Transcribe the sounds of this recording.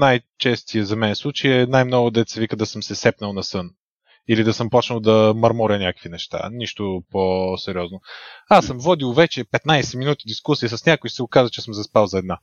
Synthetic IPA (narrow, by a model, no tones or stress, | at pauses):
najt͡ʃɛst̪ijəzɐmɛnɛslˠut͡ʃəjɛnajmnɔɡʊd̪ɛt̪sɐvikəd̪ɐsɤmsɛsɛpnəlˠnɐsɤn | ilid̪ɐsɤmpɔt͡ʃnəlˠd̪ɐmɐɾmɔɾʲənʲakə̥kvinɛʃt̪a̰niʃt̪ʊposɛɾʲiɔznʊasəmvɔd̪ilˠvɛt͡ʃɛpɛt̪najsɛminut̪id̪iskusijəsəsnʲakʊisɛɡokazvət͡ʃɛsəmzɐspɾalˠzɐɛd̪na